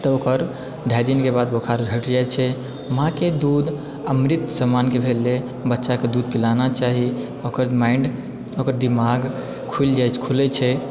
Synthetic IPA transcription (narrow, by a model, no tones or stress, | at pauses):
t̪əokəɾ | ɖʱajd̪inkebad̪bokʰaɾd͡ʒʱəʈd͡ʒat͡ʃʰɛ | mɦãked̪ud̪ | əmɾit̪səmankebʱelːe | bətːʃaked̪ud̪̚pilanat͡ʃaɦi | okəɾmaiɳɖ | okəɾd̪imaɡ | kʰuld͡ʒajt͡ʃkʰulɛt͡ʃʰɛ